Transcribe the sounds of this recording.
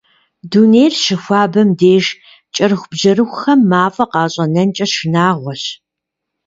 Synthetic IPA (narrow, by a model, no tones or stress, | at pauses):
duːnejrʃɪxʷɑːbɐmdeːʒ | t͡ʃʼɐrxʷbʒɐɾɨxʷxɐmːaːfʼɐqɑːɕʼɐnɐnt͡ʃʼɐʃɨnaːʁʷɔɕ